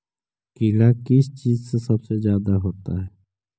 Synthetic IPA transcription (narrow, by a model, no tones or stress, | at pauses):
kilakɪst͡ʃiːzsesɐbsezjaːd̪aɦoːt̪aɦɛː